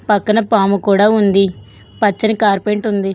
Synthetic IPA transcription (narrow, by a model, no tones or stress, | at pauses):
pɐkːɐnɐpaːmukuːɽaːund̪i | pɐt͡ʃːɐnikaːɾpeɳʈund̪i